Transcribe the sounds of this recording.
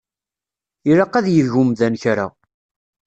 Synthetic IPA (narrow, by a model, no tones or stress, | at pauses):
iɾɑqːæðjəðʝʊmðænçɾa̰